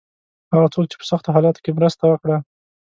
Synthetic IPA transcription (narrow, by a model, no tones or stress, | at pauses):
haɣat͡sok̚t͡ʃe̥pə̥saxt̪oɦɑlɑt̪o̥kemɾəst̪awəkɽa